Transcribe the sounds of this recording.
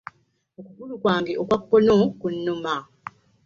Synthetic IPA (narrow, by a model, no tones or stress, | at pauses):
okuɡulukwaːŋɡeʔokwakːonoːkunːuma